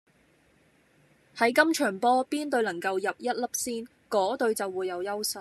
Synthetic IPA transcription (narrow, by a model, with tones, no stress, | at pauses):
hɐ˨˥jkɐ˥mt͡ʃʰœː˨˩ŋpɔː˥piː˥nt̪ɵ˧ɥnɐ˨˩ŋkɐ˧wjɐ˨p̚jɐ˥t̚lɐ˥p̚siː˥n | kɔː˨˥t̪ɵ˧ɥt͡sɐ˨wːuː˨˧jːɐ˨˧wjɐ˥wsɐ˨˧